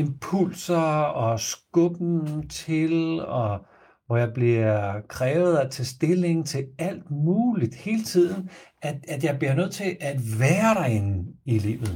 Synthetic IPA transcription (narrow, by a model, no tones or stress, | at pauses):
e̝mpʰul̰sɐɒ̽sɡ̥ɔb̥n̩t͡sʰe̝lɒ̽ | ʋɒjɑ̈ɪb̥liɐkʰʁɛːʊð̞̩ˠɒt͡sʰe̝lsd̥e̝le̝ŋt͡sʰe̝læl̰d̥muːlid̥he̝ːlət͡sʰið̰ˠn̩æ̥æd̥jɑ̈ɪb̥liɐnøð̞̰ˠt͡sʰe̝ʔæd̥ʋæːɐɾ̥ɑ̈e̝nn̩ilḭːʊð̩ˠ